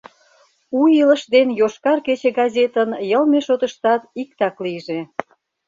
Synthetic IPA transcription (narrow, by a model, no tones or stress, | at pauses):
uilə̆ʃd̪enjoʃkɑrket͡ɕĕɡɑzʲet̪ənjəlmeʃot̪ə̆ʃt̪ɑt̪ik̚t̪ɑklijʒe